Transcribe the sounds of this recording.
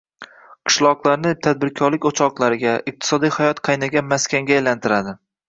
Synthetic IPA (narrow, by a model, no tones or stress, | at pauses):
qʰɨ̥ʃlˠɒqlˠaɾnɪt̪ʰad̪̚bɪɾkʲʰɒɾlɪkʲot͡ʃʰɒqlˠaɾɪɡʲaɪq̚t̪ʰɪ̥sɒd̪ijhajɒt̪qʰɑjnaɡʲanmaskʲaŋɡʲaːjlant̪ʰɪɾad̪ɪ